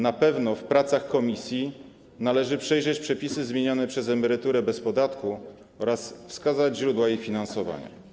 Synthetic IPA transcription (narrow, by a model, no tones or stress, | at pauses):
napɛvnɔfpɾat̪saxkɔmʲisʲji | nalɛʐɘpʂɛjʐɛt͡ɕpʂɛpʲisɘzmʲjeɲɔnɛpʂɛzɛmɛɾɘt̪uɾɛbɛspɔd̪at̪ku | ɔɾasfskazad͡ʑʑɾud̪waifʲinansɔva̰ɲa̰